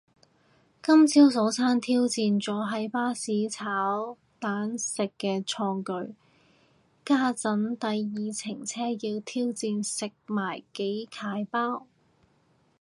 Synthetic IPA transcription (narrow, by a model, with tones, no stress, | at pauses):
kɐ˥mt͡sʰi˥ws̬o˨˥wsʰaː˥nt̪ʰiː˥wt͡siː˧nt͡sɔː˨˥ɦɐ˨˥jpaː˥siː˨˥t͡sʰaː˨˥w | t̪aː˨˥nsɪ˨kːɛː˧t͡ʃʰɔː˧ŋkɵ˨˧ɥ | kaː˥t͡sɐ˨˥nt̪ɐ˨jːiː˨t͡sʰɪ˨˩ŋt͡sʰɛː˥jiː˧wt̪ʰiː˥wt͡siː˧nsɪ˨k̚maː˨˩jke˨˥jkʰaː˨˥jpaː˥w